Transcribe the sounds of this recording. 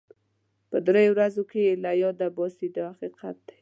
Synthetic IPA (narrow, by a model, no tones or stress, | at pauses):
pəd̪ɾejowɾazokelajɔd̪abɔsid̪əhaqiqat̪̚d̪̥ḁj